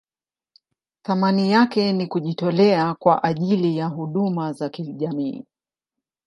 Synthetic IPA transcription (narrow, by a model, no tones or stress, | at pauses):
θamanijakɛnikuʄitɔlɛakwaʔaʄilijaɦuɗumazakiʄamḭː